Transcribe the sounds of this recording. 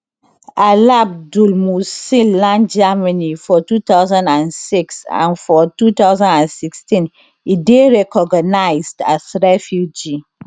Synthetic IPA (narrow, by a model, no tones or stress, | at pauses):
alab̚dulmusilãnd͡ʒamanifɔtut̪aʊzãndãnsiksã̰nfɔtut̪aʊzãnãnsikstĩn | ideɹɛkɔɡanaɪzdasɹɛfjud͡ʒi